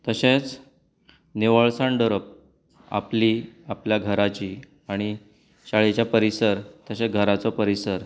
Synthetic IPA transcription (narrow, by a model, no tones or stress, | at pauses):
t̪əɕet͡s | neʋəɭsaɳɖəɾəp̚ | a̰pliapljaɡʱəɾat͡ɕiː | aɽ̃i | ɕaɭet͡ɕjapəɾisəɾt̪əɕeɡʱəɾat͡sɔpəɾisəɾ